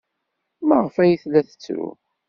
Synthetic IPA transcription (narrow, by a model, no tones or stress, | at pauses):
mæʁəfæjəθlːæθə̥t͡sːɾṵ